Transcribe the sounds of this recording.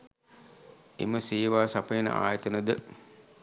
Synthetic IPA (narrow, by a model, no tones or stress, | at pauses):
ḛməsiːʋaːsapəjenə̰a̰ːjət̪ənəd̪ə